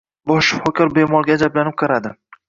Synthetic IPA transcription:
bɒʃfɒkʲʰɪɾbemɒlˠɡʲad͡ʒablanɪp̚qʰɨɾad̪ɪ

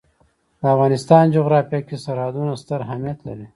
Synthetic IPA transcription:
d̪̥əafɣɑːnɪst̪ɑːnd͡ʒoɣɾɑːfjakesaɾɑd̪unast̪əɾɦamijɐt̪la̰ɾi

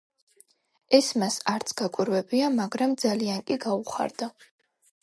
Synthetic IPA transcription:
ɛsmasaɾt̪sʰɡ̥akʷʼiɾwɛbiamaɡɾamd̪zaliankʼiɡauχa̰ɾd̪a

